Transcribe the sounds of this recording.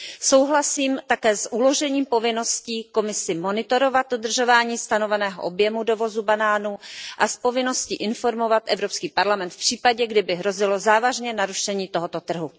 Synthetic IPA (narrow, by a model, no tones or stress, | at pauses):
so̞wɦlasiːmt̪akɛːsʔulo̞ʒɛɲiːmpo̞vɪno̞sciːko̞mɪsɪmonɪt̪o̞ɾo̞vat̪̚dod̪r̩ʒo̞vaːɲiːst̪anovɛnɛːɦo̰ʔobjɛmudovo̞zubanaːnuʔaspo̞vɪno̞scḭːʔɪnfo̞ɾmo̞vat̪ʔɛvɾo̞pskiːpaɾlamɛnt̪fpr̝̥iːpaɟɛɡdɪbɪɦɾo̞zɪlo̞zaːvaʒɲɛnaɾuʃɛɲiːt̪oɦot̪o̞t̪r̩ɦu